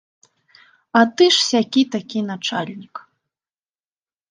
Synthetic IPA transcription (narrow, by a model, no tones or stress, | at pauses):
ɐt̪ɨʂsʲakʲit̪akʲinat͡ʂalʲnʲik